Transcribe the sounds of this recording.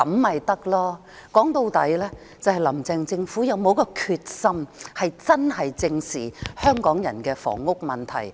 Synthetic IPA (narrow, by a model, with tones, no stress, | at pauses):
ɐ˨˥mmɐ˨jt̪ɐ˥k̚lɔː˥ | kɔː˨˥ŋt̪o˧wt̪ɐ˨˥jlɛː˥ | t͡sɐ˨˧whɐ˨jlɐ˨˩mt͡sɛː˨ŋt͡sɪ˧ŋfuː˨˥jɐ˨˧wmo˨˧wkɔː˧kʰyː˧t̚sɐ˥mhɐ˨jt͡sɐ˥nhɐ˨jt͡sɪ˧ŋsiː˨˩hœː˥ŋkɔː˨˥ŋjɐ̰˨˩nkɛː˧fɔ̰ː˨˩ŋːʊ˥k̚mɐ˨nt̪ʰɐ˨˩j